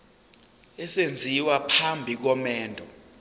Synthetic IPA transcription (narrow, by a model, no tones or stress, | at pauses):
ɛsend͡zʱiwapʰambʱik̬ɔmɛːndʱɔ